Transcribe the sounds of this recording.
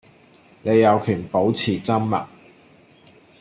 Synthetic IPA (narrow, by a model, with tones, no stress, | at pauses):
ne˨˧jːɐ˨˧wkʰyː˨˩npo˨˥wt͡sʰiː˨˩t͡sɐ˥mːɐ̰˨k̚